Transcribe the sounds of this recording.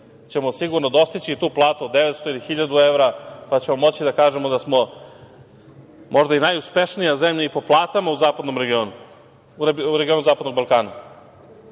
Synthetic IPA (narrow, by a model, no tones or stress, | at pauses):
t͡ɕe̞mo̞siɡuɾnod̪o̞st̪it͡ɕit̪uːplˠaːt̪uod̪ːeʋet̪st̪oilixiʎad̪ueʋɾapat͡ɕe̞mo̞mo̞t͡ɕid̪akaːʒe̞mo̞d̪asmo̞ | mʔo̞ʒd̪ainajuspe̞ʃnijazemʎaipo̞plˠaːt̪amauzaːpad̪no̞mɾeɡio̞nu | uɾeɡʲio̞nuzaːpad̪no̞ɡ̚balˠkaːna